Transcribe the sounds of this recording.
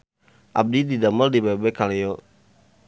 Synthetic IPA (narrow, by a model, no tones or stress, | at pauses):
ʔa̰b̚dididaməldibabɛkaleɔ